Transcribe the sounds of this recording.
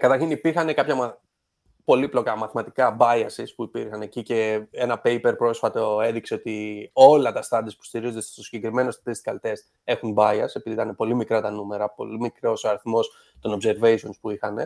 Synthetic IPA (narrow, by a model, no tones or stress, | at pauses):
kɐt̪ɐɾçinipiɾxɐne̞kɐpçɐm | po̞liplo̞kɐmɐθmɐt̪i̥kɐbɐɐsispuipiɾxɐnecice̞e̞nɐpe̞jpe̞ɾpɾo̞sfɐt̪o̞e̞ðikse̞ot̪io̞lɐt̪ɐst̪ɐd̪iɐspu̥st̪iɾizond̪est̪st̪osiɟekɾime̞nost̪ɐ̥t̪ist̪kɐlt̪e̞st̪ | e̞xunbɐjɐse̞piðit̪ɐnepo̞limikɾɐt̪ɐnume̞ɾɐpo̞̰limikɾo̞soɐɾiθmo̞s | t̪o̞no̞pse̞ɾve̞iso̞nspuixɐne̞̰